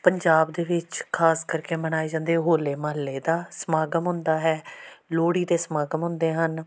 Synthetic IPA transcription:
pəɲd͡ʒaːbd̪eːʋɪt͡ʃkʰaːskəɾkeːbəñaːeːd͡ʒãːnd̪eːɦoːleːmaːlːeːd̪aːsəmaːɡəmɦʊ̃nd̪aːɦɛːloːɽiːt̪eːsəmaːɡəmɦʊ̃nd̪eːɦən

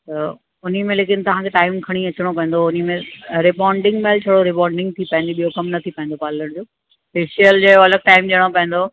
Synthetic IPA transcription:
t̪ɐ | ʊnimẽleːk̬ɪnt̪ɐʋ̤ãkʰeʈaːɪmkʰɐɽ̃iɐt͡ɕɪɽ̃opɐ̃ɦn̆d̪oʊnimẽɾɪbɔːɳɖɪ̃ŋɡɓaːlt͡ɕʰɐɽoɾɪbaːɳɖɪ̃ŋɡ̚t̪ʰipɐɦɪ̃nd̪iɓijokɐmnɐt̪ʰipɐ̃ɦɪ̃n̆d̪opaːləɽ̃d͡ʑoː | peːʃijəld͡ʑɐɪoɐləɡ̚ʈaːɪmɗiɽ̃opɐ̃ɦɪ̃n̆d̪o

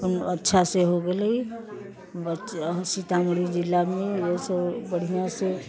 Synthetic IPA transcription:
nətːʃʰaseɦoɡeləi | bəsit̪amɾid͡ʒilːamejesəbbəɽ̤ijãse

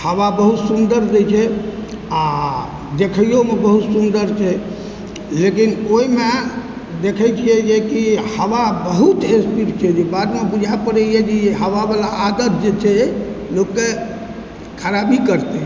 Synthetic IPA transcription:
həwabəɦut̪sund̪əɾd͡ʒɛt͡ʃʰɛ | a | d̪ekʰəjjomebəɦut̪sund̪əɾt͡ʃʰɛ | lekinoime | d̪ekʰəjt͡ʃʰijɛd͡ʒekihəwabəɦut̪espiɾt͡ʃʰɛd͡ʒebad̪mebud͡ʒʱaepəɾəjed͡ʒeɦəʋabalaʔːd̪ət̪̚ʰd͡ʒet͡ʃʰɛlokːe | kʰəɾabikəɾt̪e

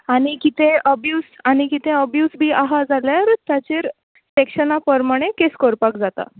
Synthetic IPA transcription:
aɽ̃ikit̪ʰẽəbjuːsañikit̪ʰẽəbjuːsbʱiːʔaɦad͡zalaɾt̪jat͡ɕeːɾ | sekɕənapəɾmaɽ̃ekeskoɾpakd͡zat̪a̰

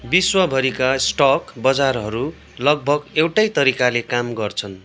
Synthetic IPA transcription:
biswʌbʱʌɾikasʈʌkbʌd͡zarɦʌɾu | lʌɡ̚bʱʌɡewʈajt̪ʌɾikalekamɡʌrt͡sʰʌn

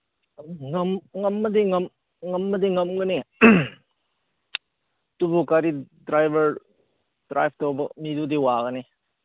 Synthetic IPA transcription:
ŋɐmŋɐmːɐdiŋɐm | ŋɐmːɐdiŋɐmɡɯni | tubukaɾidɾajbɐɾ | dɾajb̚ʰʱtobɐmidudiwaɡɐni

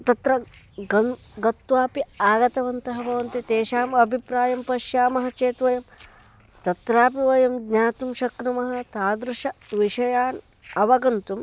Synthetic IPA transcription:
t̪ɐt̪ɾɐ | ɡɐɡɐt̪ʋaːpiaːɡɐt̪ɐʋɐnt̪ɐɦɐbʱɐʋɐnt̪it̪eːʃaːmɐbʱipɾaːjɐmpɐʃjaːmɐɦɐt͡ʃeːt̪ʋɐjɐm | t̪ɐt̪ɾaːpiʋɐjɐmɡɲaːt̪umʃɐknumɐɦɐ̆t̪aːd̪ɾuʃɐʋiʂɐjaːn | ɐʋɐɡɐnt̪um

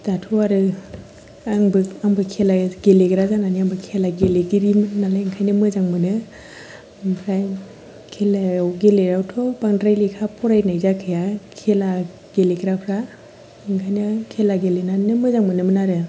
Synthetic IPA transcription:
d̥atʰɔaɾɯ | aŋbɯaŋbɯkʰelaɡeleɡɯɾazananiambɯkʰelaɡeleɡiɾimɯnnalajŋkʰajnɯmɯzaŋmɯnɯ | pʰɾaj | kʰelajawɡeleɾawtʰɔpaŋdɾajlikʰapʰɔɾajnajzakʰɯjakʰela | ɡ̥elekʰɾapʰɾa | ŋkʰajnakʰelaɡelenanɯmɯzaŋmɯnɯmənaɾɯ

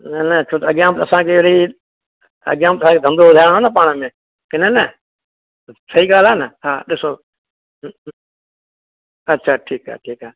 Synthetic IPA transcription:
nənət͡ʃʰoːt̪əɡjãːmt̪əsãːkeːɽiː | ə̰ɡjãːmt̪əsãːked̪ə̃md̪oːʋəd̪ʱaːɽ̃onapaːɳ̃mẽː | kenənə | səiːɡaːlaːnəhaːɗɪsoː | ətːʃʰaːʈʰiːka̰ːʈʰiːkaː

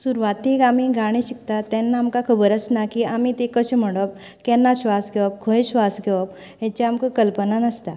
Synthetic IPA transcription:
suɾʋat̪ːikamiɡʱaɽ̃ĩɕik̚t̪at̪ɛnːaːmkakʰəbəɾəsnakiamit̪ekəɕem̤əɽəb̚ | kɛ̃nːaɕʋasɡʱɛʋəp̚kʰəeɕʋasɡʱɛʋəp | jɛ̃t͡ɕaamkəkəlpənanəst̪a

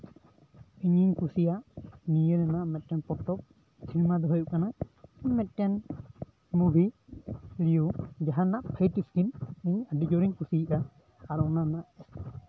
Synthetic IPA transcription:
iɲiɲkusijaʔnijənanaʔmɛt̪̚ˀʈanpɔt̪ɔp̚ | t͡ʃʰiɾimad̪ɔɦɔjuʔkanaiɲmɛt̪̚ʈɛn | mubʱi | lijud͡ʒaɦanaʔpʰəjtiskimiɲaɖid͡ʒɔɾiɲkusiʔaː | ɾɔnanaʔ

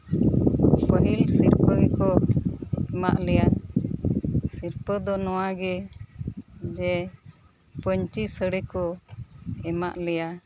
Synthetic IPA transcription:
pəɦilsiɾpəɡɛkɔ | ɛma̰ʔlɛja | siɾpəd̪ɔnɔwaɡɛ | d͡ʒɛ | pəɲt͡ʃisəɽɛkɔ | ɛma̰ʔlɛja

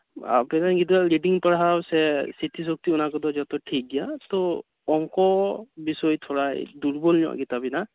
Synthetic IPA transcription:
a̰pɛnaɡit̪̬aliɖiŋpaɹɦawsɛsit̪ʰis̬ɔk̚t̪iʊnakɔd̪ɔd͡ʒɔt̪ɔʈʰik̚dijat̪ɔ | ɔŋkɔbisɔjt̪ʰɔɹajd̪uɹbɔlɲɔ̰ɡit̪abina

